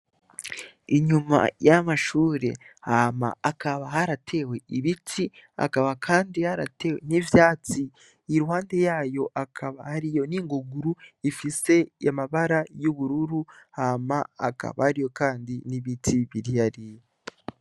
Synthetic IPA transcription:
iɲuma̰jamaʃuːɾḛ | hama̰ːkʰaβahaɾatʰe̞we̞iβitʰia̰kaβakʰaːndihaɾate̞wen̥ivjaːt͡siː | ɾuhaːnde̞jaːjo̞ʔakʰaβahaɾijo̞niŋɡoɡuɾuifise̞amaβaɾajuβuɾuɾuhamaa̰ka̰βa̰haɾijo̞kaːndiniβitʰiβiɾijaɾi

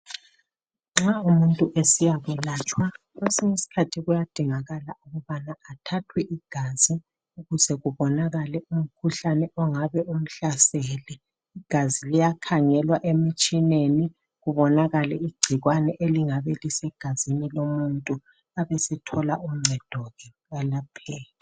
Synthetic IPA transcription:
ŋ͡ǁaumuntʼuʔesijaβulaːt͡ʃʼwa | ɣesiŋesi̥kʰatʰiɣujad̥ʱiŋaɣalauɣuβanaːtʰatʰwɛʔiɡ̥ʱazi | uɣuzɛɣuβɔnaɣalɛum̩kʰuɬanɛɔŋaβɛum̩ɬasɛːlɛ | iɡ̥ʱazilijakʰaŋɛlwaʔemit͡ʃʼineni | ɣuβɔnaɣalɛiɡ͡ǀʱiɣwanɛʔeliŋaβɛlisɛɡ̥ʱazinilomuntʼu | aβesɛtʰɔlaum̩ŋ͡ǀʱɛd̥ʱɔɣɛ | ɣalapʰɛːla

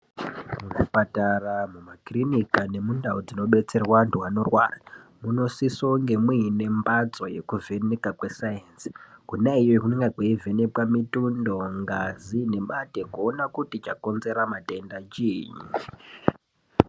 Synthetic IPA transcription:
muʐipataramumakrinikane̞mundaod͡zino̞ɓe̞t͡se̞rwantuwano̞rwa̰ːramuno̞sisoŋɡe̞mwine̞mbat͡so̞je̞̰kuve̞nekakwe̞sajensi̥kunaijojokuneŋɡaɡeive̞ne̞pwamitundo̞ŋɡazine̞mate̞kuonakutit͡ʃako̞nze̞ɾamate̞ndat͡ʃiːɲi

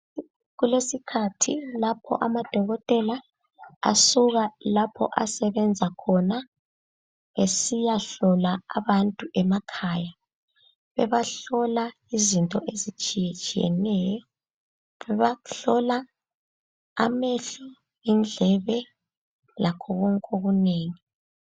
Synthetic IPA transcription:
ɣulesikʰatʰilapʰɔ̰ʔamad̥ʱɔɣɔtʼɛla | a̰suɣalapʰɔ̰ʔasɛβɛnd͡zʱakʰɔna | esijaɬɔlaa̰βantʼuʔɛmakʰaːja | βɛβaɬɔla | izintʼɔʔezit͡ʃʼijɛt͡ʃʼijɛ̰nɛjɔ | βɛβaɬɔla | meɬɔ | ind͡ɮʱɛβɛ | lakʰɔɣɔŋkʼoɣuneːŋi

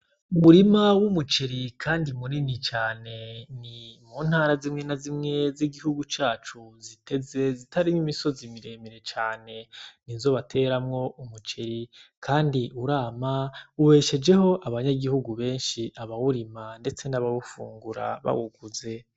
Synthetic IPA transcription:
umuɾimawumut͡ʃeɾikʰaːndimuninit͡ʃaːne̞nimuːn̥haːɾazimŋe̞nazimŋe̞ziɡihuɡut͡ʃaːt͡ʃuzitʰe̞ze̞zitaɾimimiso̞zimiɾe̞miɾe̞t͡ʃaːne̞ninzo̞ːβatʰe̞ɾamŋo̞ʔumut͡ʃeɾikʰaːndiʔuɾaːmauβe̞ːʃe̞d͡ʒe̞ho̞ʔaβaɲaɡihuɡuβe̞ːnʃiʔaβawuɾimande̞t͡se̞naβaβufṵːŋɡuɾa̰βa̰wuɡ̥uze̞

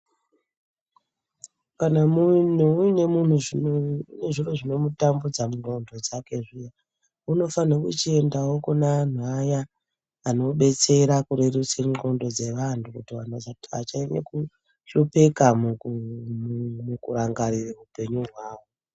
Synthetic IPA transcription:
kanamunuuine̞mun̤uʐine̞ʐiro̞ʐino̞mutambud͡zamuŋ͡ǃo̞ndo̞d͡zake̞ʐija | uno̞fanakut͡ʃie̞ndawo̞kunan̤uajaː | no̞ɓe̞t͡se̞ɾakuɾerut͡seŋ͡ǃo̞ndo̞d͡ze̞ʋantukutiwan̤uad͡zata̰t͡ʃaenḛku | ɬope̞kamu | mukuraŋɡarireupe̞ɲuɦwaːwo

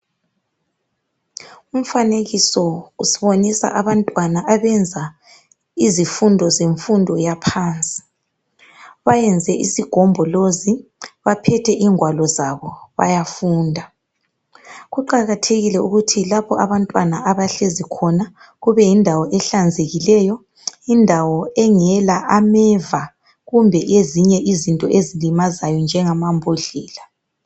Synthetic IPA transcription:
um̩faneɣisɔusiβonisa̰ʔaβantʼwanaʔaβɛnd͡zʱa | izifundʱɔzeɱfundʱɔjapʰaːnt͡sʼi̥ | βajɛnd͡zʱɛʔḭsiɡ̥ʱɔmbʱɔloziβapʰɛtʰɛʔiŋwalɔzaβɔβa̰jafuːndʱa | ɣuǃaɣatʰeɣilɛuɣutʰilapɔʔaβantʼwanaʔaβaɬezikʰɔna | ɣuβɛjindʱawɔʔɛɬand͡zʱeɣilɛjɔ | indʱawɔɛŋɛlaʔamɛva | ɣumbʱɛjeziɲɛʔizintʼɔ̰ʔezilimazajɔnd͡ʒʱɛŋamambʱoɮɛːla

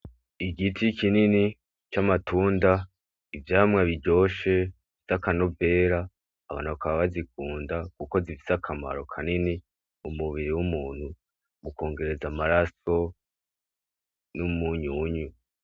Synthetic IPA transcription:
iɡitʰikinini | t͡ʃamatʰuːnda | ivjaːmŋaβiɾɟo̞ːʃe̞ | iz̥akano̞ve̞ːɾaː | βa̰ːnhuβakaβaβazik̚uːndakuko̞zifi̥sakʰama̰ɾo̞kʰanini | umuβiɾiwumuːn̥hu | muko̞ːŋɡe̞ɾe̞zamaɾaso̞ | numuɲuɲu

